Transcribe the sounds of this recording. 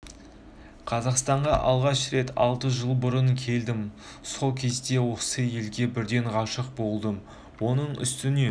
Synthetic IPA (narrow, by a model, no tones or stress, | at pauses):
qʰɑzɑqst̪ɑɴʁɑʔɑlˠʁɑʃɾe̞t̪ɑ̰lˠt̪əʒəlˠbʊɾəŋkʲʰe̞ld̪ɪm | so̞lˠkʲʰe̞zd̪e̞wosəje̞lɡʲe̞bɪɾd̪e̞ɴʁɑʃəq̚bo̞lˠd̪əm | wo̞nəɴʏ̰st̪ɪne̞